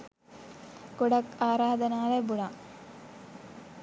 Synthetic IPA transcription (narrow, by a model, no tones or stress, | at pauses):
kuɽɐkaːɾaːd̪ɐnaːɭebuɽa